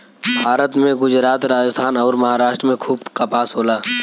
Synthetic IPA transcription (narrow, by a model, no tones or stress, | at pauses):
bʱaːɾət̪mẽɡʊd͡ʒɾaːt̪ɾaːd͡ʒəst̪ʰaːnɔːɾmɐɦaːɾaːʃʈɾəmẽkʰuːbkapaːsɦoːlaː